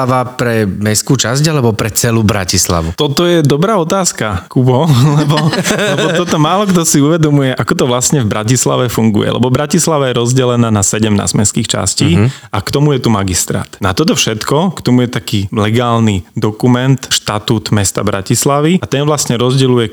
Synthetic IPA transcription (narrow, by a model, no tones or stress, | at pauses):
aʋapɾɛmɛskuːt͡ʃazɟalɛbɔpɾɛt͡sɛluːbɾa̰cisla̰ʋut̪ɔt̪ɔjɛd̪ɔbɾaːɔt̪aːskakubɔlɛbɔlɛbɔt̪ɔt̪ɔmaːlɔkt̪ɔsiuʋɛd̪ɔmujɛʔakɔt̪ɔʋlast̪ɲɛvbɾacisla̰ʋɛfuŋɡṵjɛ̰lɛ̰bɔbɾacislaʋɛjɛɾɔzɟɛlɛnaːnasɛɟɛmna̰ːzmɛskiːxt͡ʃa̰sciːakt̪ɔmujɛt̪umaɡist̪ɾa̰ːt̪nat̪ɔt̪ɔfʃɛt̪kɔkt̪ɔmujɛt̪akiːlɛɡaːlnid̪ɔkumɛnt̪ʃt̪at̪uːt̪mɛst̪a̰bɾa̰cislaʋiat̪ɛnʋlast̪ɲɛɾɔzɟɛlujɛ